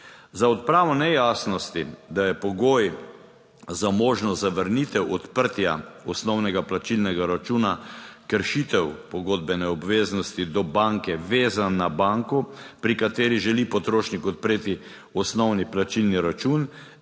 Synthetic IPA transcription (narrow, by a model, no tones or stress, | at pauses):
zaɔt̪̚pɾaːʋɔnɛjaːsnɔst̪id̪ajɛpɔɡoːj | zamoːʒnɔzaʋəɾnit̪ɛwɔt̪pəɾt̪jaɔsnɔwnɛɡaplat͡ʃilnɛɡaɾat͡ʃuːnakəɾʃit̪ɛwpɔɡoːd̪̚bɛnɛɔbʋeːznɔst̪id̪ɔbaŋkɛʋeːzanːabaŋkɔpɾikat̪eːɾiʒɛlipɔt̪ɾoːʃnikɔt̪̚pɾeːt̪i | ɔsnɔwniplat͡ʃilniɾat͡ʃun